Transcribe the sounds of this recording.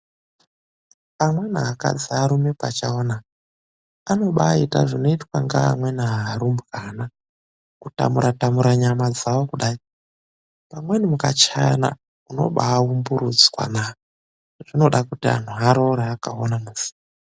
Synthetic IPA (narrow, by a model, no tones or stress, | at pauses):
amwe̞naːka̰d͡ziaɾumepat͡ʃaona | ano̞ɓaita̰ʐino̞itwaŋɡa̰ːmwe̞naɦːɾumbukana | kuta̰muɾatamuɾaɲamad͡zawokuɗai | pamwe̞nimukat͡ʃana̰ | uno̞̰ɓaːumbuɾud͡zwa̰na | ʐino̞ɗakutia̰n̤uɦaɾo̞ɾeakaonamuzi̥a